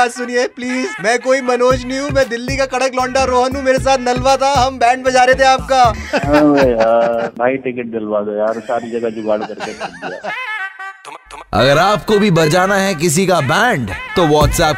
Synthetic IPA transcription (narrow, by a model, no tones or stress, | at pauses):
sʊniepliːzmɛ̃ːkoːimɐnoːd͡ʒnĩɦũmɛ̃ːd̪ɪlːikakɐɽəklɔ̃ːɳɖaɾoːɦənɦũmeːɾes̬aːt̪ʰnɐlʋat̪ʰaɦɐmbɛ̃ːɳɖ̚bɐd͡ʒaːɾet̪ʰẽaːp̚kaː | anaːiʈɪkɪʈ̚nɐlʋaɡɐjaɾsaːɾid͡ʒɐɡad͡ʒʊɡaːɽkɐɾketɐd̪ija̰ː | ɐ̰ɡəɾaːp̚kobʱibɐt͡ʃaːnaɦɛk̬ɪs̬ikabɛ̃ːɳɖt̪oʋɔːʈsɛːp